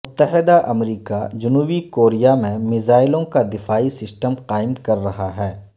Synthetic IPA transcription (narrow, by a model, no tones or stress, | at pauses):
mʊt̪ːəɦɪd̪aʔɐmɾiːkad͡ʒʊnuːbikoːɾijamẽmɪzaːɪlõkad̪ɪfaːisɪsʈəmqaːɪmkɐɾːɐɦaɦɛː